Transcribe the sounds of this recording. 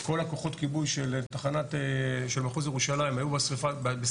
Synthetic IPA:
ko̞lako̞χo̞tkibujʃeltaχanateʃelmaχuzjeʁuʃalajmhajubasʁifabbe

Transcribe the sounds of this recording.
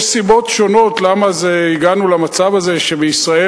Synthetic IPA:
sibo̞tʃo̞no̞tlamazeiɡanulamat͡savaze̞ʃe̞beisʁae

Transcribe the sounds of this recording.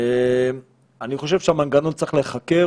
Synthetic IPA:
em | aniχo̞ʃ̬e̞v̥ʃeamanɡano̞ntt͡seχle̞χake̞

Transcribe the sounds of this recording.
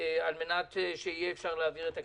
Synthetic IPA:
alme̞nat̪ʃeijeːfʃaʁleaviʁet̪a

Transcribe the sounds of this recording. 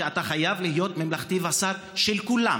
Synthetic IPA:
eat̪aχajavlihijo̞t̪memlaχt̪ivasaɾ | ʃelkula̰

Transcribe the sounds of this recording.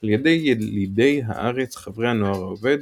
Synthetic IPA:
aljed̪ejelid̪e̞jɦa̰ʔaʁet͡sχavʁeanoaʁaove̞d̪

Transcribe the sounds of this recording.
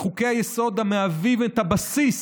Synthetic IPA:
χukeajesɔd̪ameavivẽnt̪abasis

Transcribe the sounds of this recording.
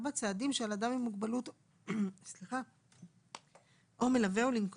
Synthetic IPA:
bat͡saːd̪imʃealad̪amimːuɡbalut̪ | sliχa | ʔo̞me̞laveulink

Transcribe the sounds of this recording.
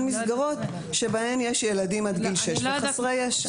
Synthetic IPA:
misɡaʁo̞t | ʃebahe̞mjeʃjeladimad̪ɡilʃeʃveχsʁejeʃ

